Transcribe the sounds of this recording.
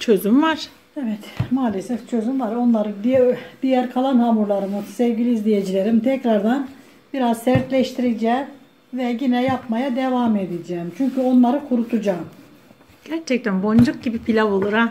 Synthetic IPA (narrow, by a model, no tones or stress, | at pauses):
t͡ʃʰøzymvaɾ̥ | evɛt̪maːlʲesɛft͡ʃʰø̞zymvaɾo̞nlˠaɾɯd̪id̪̥ijæɾkʰalˠanhaːmuɾlˠaɾɯmɯsevɡilʲiizlʲijed͡ʒilʲeɾimt̪ʰɛcɾaɾd̪an | biɾazsæɾt̪lʲɛʃt̪ʰiɾid͡ʒɛː | vɛɟinɛjapmajad̪evaːmed̪id͡ʒɛːmt͡ʃʰyɲcʰyo̞nlˠaɾɯkʰuɾut̪ʰud͡ʒaːm | ɟ̥æɾt͡ʃʰɛc̚t̪ænbond͡ʒuk̚ɟibipʰilʲabolˠuɾa